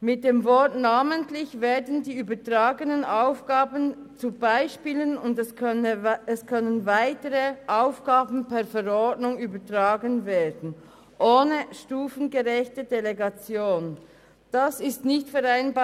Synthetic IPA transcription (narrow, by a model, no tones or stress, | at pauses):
mɪt̚d̥eːmvɔtnaːməntlɪçveːɐdn̩diːyːbɐtʁ̥aːɡənənʔaʊfɡ̥aːbən | t͡subaɪʃpiːlənʊndɛs | ɛskʰœnənvaɪtəʁəʔaʊfɡ̥aːbn̩pɛɐfɛʁɔɹdnʊŋyːbɐtʁaːɡənveːɐdn̩ | ʔoːnəʃtuːfn̩ɡəʁɛçtəd̥eleɡat͡sjoːn | d̥asɪstnɪçtfɛʁaɪnba